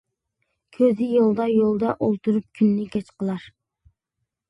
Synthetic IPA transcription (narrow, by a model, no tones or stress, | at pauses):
kʲʰøzɪjolˠd̪ɑjolˠd̪ɑʔolˠt̪ʰuɾup̚kʲʰynːɪkʲɛt͡ʃqʰəlˠɑɾ